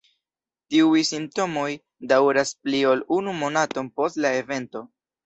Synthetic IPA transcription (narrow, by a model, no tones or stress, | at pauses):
tiujsimp̚to̞mo̞j | dawɾasplio̞lunumo̞nato̞npo̞stlae̞ve̞nto̞